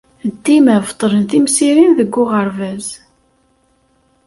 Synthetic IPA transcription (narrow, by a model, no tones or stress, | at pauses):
d̪ːimævt̪ˤːəɾənθimsiɾinðəɡʷːʊʁəɾvæz